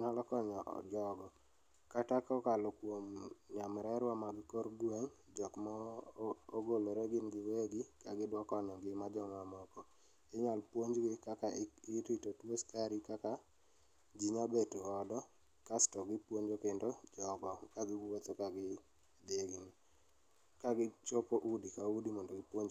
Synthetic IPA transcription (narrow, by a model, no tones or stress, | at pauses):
nalɔkɔɲɔ̰d͡ʒɔɡɔ | katakɔkalɔkwomɲamɾɛɾwamaɡɪkɔɾɡwaŋ | d͡ʒɔkma | oɡoloɾeɡɪnɡɪweɡɪkaɡɪdwakɔɲɔɡɪmad͡ʒɔŋamɔkɔ | ɪɲalpwoɲd͡ʒɡɪkakaɪɾitotwoskaɾikaka | d͡ʒiɲabetuɔdɔ | kastɔɡɪpwoɲd͡ʒokɪndod͡ʒɔɡɔkaɡɪɡwot̪ɔkaɡɪ | adieɡini | kaɡɪt͡ʃopoʔudikaudimɔndɔɡɪpoɲd͡ʒ